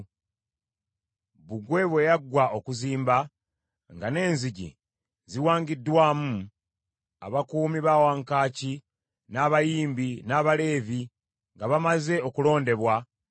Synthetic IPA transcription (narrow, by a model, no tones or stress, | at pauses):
βuɡwe̞βwe̞jaɡwao̞kuziːmba | ŋɡane̞ːnziɟḭ | ziwaːŋɡidːwaːmu | a̰βakuːmiβawaːŋkaːci | naːβajiːmbinaːβale̞ːvi | ŋɡaβamaze̞o̞kulo̞ːnde̞βwa